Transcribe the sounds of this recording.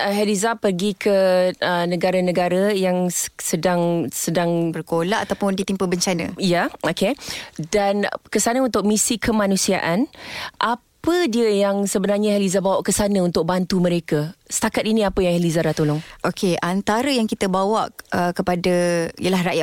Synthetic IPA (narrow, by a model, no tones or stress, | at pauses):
əɦɛlizapərɡikʰəənəɡaɾanə̃ɡaɾajaŋsədaŋsədaŋbərkolaʔat̪awpʊndit̪impəbəɲt͡ʃanə̰̃jaokedankəsanəunt̪ʊk̚misikʰəmãnũsia̰ʔanʔapədiəjaŋsəbənarɲahɛlizabawaʔkəsanəunt̪ʊk̚bant̪uməɾekasə̥t̪akat̪inĩapəjaŋhɛlizaɾat̪olɔŋʔokʰeʔant̪aɾəjaŋkit̪əbawaʔəkəpadaḭjəlahɾaʔjaʔ